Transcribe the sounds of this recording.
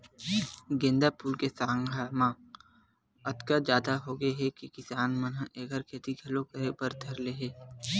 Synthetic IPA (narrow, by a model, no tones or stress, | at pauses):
ɡẽːnd̪apuːlkesaːŋɡʱamã | ɐt̪kad͡ʒjaːd̪aɦoːɡeɦɛkikɪsaːnmənʔeːɡəɾkʰeːt̪iɡʱɐlokɐɾepəɾd̪ʱɐɾleɦɛː